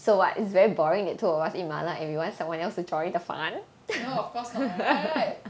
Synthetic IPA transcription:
sowɔ̰tisvɛɹibɔɹĩŋdɛtʰːuɔwasĩnma̰laɛ̃nwiwɔ̃ntsãmwãnɛlstud͡ʒɔ̃j̃dəfã̰n | oɔfkɔs

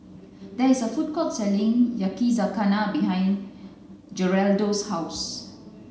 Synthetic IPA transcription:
d̪ɛisəfut̚kɔtsɛlĩŋjakizakanabiɦãj̃n | d͡ʒəɹɛldoshaʊs

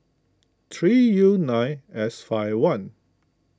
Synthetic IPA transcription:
t̪ʰɹijunãjɛsfaɪwãn

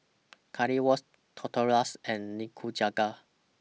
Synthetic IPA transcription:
kʰaɹiwɔs | tʰɔtʰəɹasɛ̃nːikʰud͡ʒaɡa

